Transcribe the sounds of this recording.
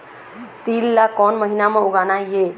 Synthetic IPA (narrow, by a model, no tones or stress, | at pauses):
t̪ilːakɔnməɦinameuɡanaje